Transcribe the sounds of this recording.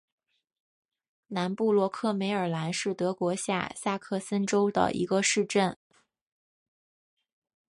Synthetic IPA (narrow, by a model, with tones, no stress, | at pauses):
na˧˥npu˥˩lwɔ˥kʰɤ˥˩me˧˥ɪə˞˨˩la˧˥nʂɻ̩˥˩t̪ɤ˧˥kwɔ˧˥ɕja̰˥˩sa˥˧kʰɤ˥˩sə˥nʈ͡ʂo˥ʊd̪ə̰˩ʔḭ˧˥ɡə˧ʂɻ̩˥˧ʈ͡ʂə˥˩n